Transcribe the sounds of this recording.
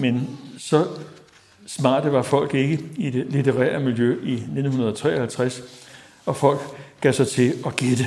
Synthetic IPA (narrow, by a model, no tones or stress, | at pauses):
mensɒ̽ | smɑ̰̈ːd̥ʋɑ̈fɒ̽l̰ɡ̥e̝ɡ̥əid̥e̝lit͡sʰeʁɛ̰ːɐmiljøʔine̝d̥n̩hunɐð̞̩ˠɒ̽t͡sʰʁɛːɐhælt͡sʰʁas | ɒ̽fɒ̽l̰ɡ̥ɡ̥ɛsɑ̈ɪt͡sʰe̝ɒ̽ɡ̥ed̥ə